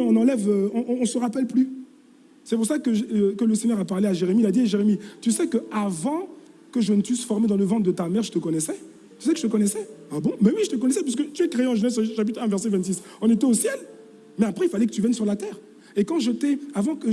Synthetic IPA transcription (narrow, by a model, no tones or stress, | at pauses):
ɔ̃nɑ̃lɛvøɔ̃ɔ̃ːsəʁapɛlply | sɛp̬uʁsakəkələseɲœʁapaʁleaʒeʁemiilad̪iaʒeʁemit̪ysɛkəavɑ̃ | kəʒənəfysfɔʁmed̪ɑ̃ləvɑ̃t̪d̪ət̪amɛʁʒət̪əkɔnɛsɛ | t̪y̥sɛkʒət̪əkɔnɛsɛabɔ̃mɛwiʒət̪ək̬ɔnɛsɛp̬asəkət̪yɛkχeeɑ̃ʒənɛs̬ʃap̬it̪χɛ̃vɛʁsɛvɛ̃t̪sisɔ̃net̪ɛosjɛl | mɛapχɛilfalɛkə̥t̪yvjɛnsyʁlat̪ɛːʁ | ekɑ̃ʒət̪ɛavɑ̃kə